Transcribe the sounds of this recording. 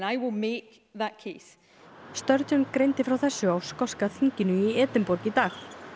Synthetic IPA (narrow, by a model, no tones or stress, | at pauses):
naɪwɪlˠmek | ðəʔ̚kʰes | st̪œɾt̪ɔnkɾejnt̪ɪfɾawθɛsːʏawskɔskaθiɲcɪnʏiɛːt̪ɪmpɔɾcɪt̪aːx